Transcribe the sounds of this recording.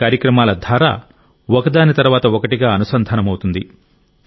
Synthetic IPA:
aːɾjɐkɾɐmaːlɐd̪ʱaːɾa̰ː | wɔkɐd̪aːnit̪ɐɾuʋaːt̪ɐɔkɐʈiɡaːɐnusɐnd̪ʱɐnɐmɐwut̪und̪i

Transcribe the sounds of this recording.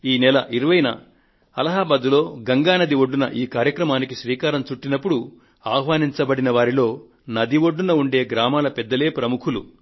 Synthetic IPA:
iːnɛlɐʔiɾuʋɐjnɐ̰ | ɐlɐɦaːbaːd̪ulo̞ːɡɐŋɡaːnɐd̪iʋoɖːunɐ̰ʔiːkaːɾjɐkɾɐmaːnikiʃɾiːkaːɾɐmt͡ʃuʈːinɐpːuɽu | aːhʋaːniɲt͡ʃɐbɐɽinɐʋaːɾilo̞ː | nɐd̪iʋoɖːunɐuɳɖe̞ːɡɾaːmaːlɐpɛd̪ːɐle̞ːpɾɐmukʰulṵ

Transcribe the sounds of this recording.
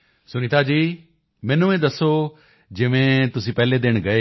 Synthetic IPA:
sʊñĩt̪ʰaːd͡ʒiː | mɛ̃ːnuẽd̪ɐso | d͡ʒɪʋẽt̪ʊsĩːpɛɦled̪ɪɽ̃ɡɐeː

